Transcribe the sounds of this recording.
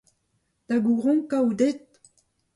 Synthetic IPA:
d̪̥aɡuʁɔ̃kawdet̪̚

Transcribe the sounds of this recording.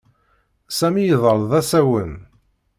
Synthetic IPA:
sæmjəðˤəɾˤðˤæsæwən

